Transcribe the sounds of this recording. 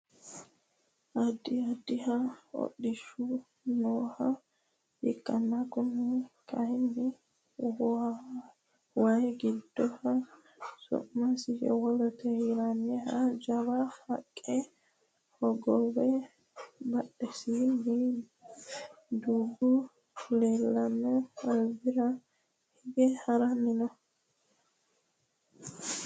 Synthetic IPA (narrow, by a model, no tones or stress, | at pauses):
ʔɐd̪ɪɐd̪ːɪhɐɔ̰ɗːɪʃʊ | noːhɐ | hɪkʼːɐnːakʊnːɛkɐhɪnːɪ | wɐjɡɪd̪ːɔhɐ | sɔ̰ʔmɐsɪɛ̰wɔlɔt̪ɛɪɾanɛhɐd͡ʒɐβɐhɐkʼːɛ | hɔɡɔwɛ | bɐɗːɛsinɪ | d̪uːɡʊ | leːlːɐnɛɐlbɪɾɐ | hɪɡɛhɐɾɐmɪnɐ